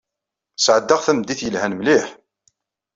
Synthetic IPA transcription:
sʕəd̪ːaʁθæmd̪iθjəlhænmliħ

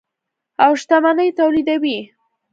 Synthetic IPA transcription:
awʃt̪amanəjt̪awlid̪awi

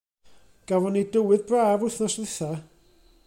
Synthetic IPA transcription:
ɡ̥avɔnidəwɨðbraːvʊθnɔsðɪθa

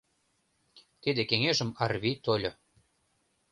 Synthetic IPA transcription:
t̪id̪ekeŋeʒə̆mɑrβit̪olʲo

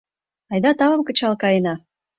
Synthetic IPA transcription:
ɑjd̪ɑt̪ɑβə̆mkə̆t͡ɕɑlkɑjənɑ

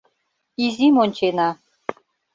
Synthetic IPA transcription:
izʲimonʲt͡ɕenɑ

